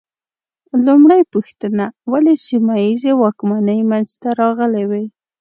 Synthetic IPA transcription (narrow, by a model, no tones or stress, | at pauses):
lʊmɽajpʊxt̪ənawalesimajizewɑkmanəjmanzt̪aɾɑɣəlewe